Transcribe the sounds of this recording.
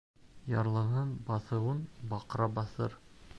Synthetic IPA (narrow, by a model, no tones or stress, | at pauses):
jɑɾlˠɤ̆ʁɤnbɑθɤ̆wɤnbɑqɾɑbɑθɤ̰ɾ